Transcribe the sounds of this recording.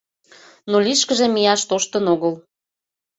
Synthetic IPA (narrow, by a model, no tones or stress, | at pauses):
noliʃkə̆ʒemijɑʃt̪oʃt̪ə̆noɣəl